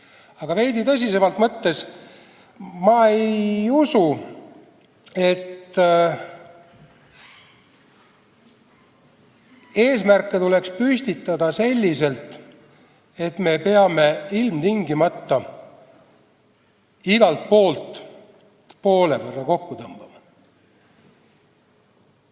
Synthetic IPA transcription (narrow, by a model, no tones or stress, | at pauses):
ɑɡ̥ɑve̞jd̪it̪ɤs̬ʲise̞mɑlt̪mɤt̪ːe̞s | mɑejusu | e̞t̪ | e̞ːsmærkːˑe̞t̪ule̞kspysʲt̪it̪ːˑɑd̪ɑse̞lʲːise̞lt̪ˑ | e̞t̪me̞pe̞ɑme̞ilmt̪iŋɡimɑt̪ːɑ | iɡ̥ɑlt̪̚po̞ːlt̪ˑ | po̞ːlevərːɑko̞kːut̪ɤmb̥ɑmɑ